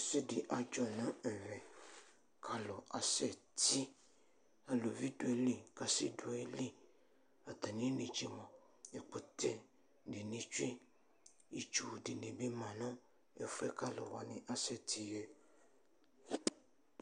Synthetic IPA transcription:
se˦di˨ʔa˨d͡ʒɔ˦nã˦ɛ˨ɾɛ˨ | kʰa˨lɔ˨ʔa˨sɛ˦˨t̪i˦ | a˨lo˨vi˦du˦ɛ˨li˦˨ka˨sḭ˦du˨˦˨e˦li˦ | a˨t̪a˨nĩ˦nĩ˨d͡ʒe˨mã˨ | e˨k͡po˨t̪ʰɛ˨ | di˨nĩ˨t͡ʃi˦ | i˨t͡ʃu˨di˨nẽ˨bi˦mã˨nɔ̃˦ | e˨fɛ˦ka˦lɔ̰˨wa˨nĩ˦ʔa˦sɛ˦˨t̪ʰi˦jɛ˦

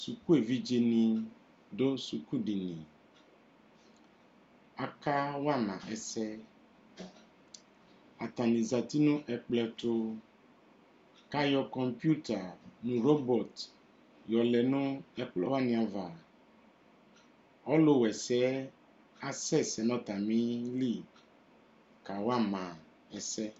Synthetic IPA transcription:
su˨ku˦e˨vi˦d͡ʒe˨nĩ˨ | ɖo˦su˨ku˦ɖi˨nĩ˨ | a˨ka˦wa˦˨nã˨ʔɛ˨sɛ˦ | a˨t̪a˨nĩ˨za˨t̪i˦nũ˦ʔɛ˨k͡plɛ˨t̪o˦ | ka˦jɔ˦kɔ˨mpi˦u˦t̪a˨nũ˦ɾo˦bɔ˨t̪ | jɔ˨lɛ˨nũ˦ɛ˦k͡plɔ˦wa˦˨nĩ˨a˨va˨ | ɔ˦lo˦wɛ˨sɛ˨˦ | a˨sɛ˦sɛ˨nɔ̃˦t̪a˨mĩ˦li˦˨ | ka˨wa˦mã˨ | ɛ˨sɛ˦

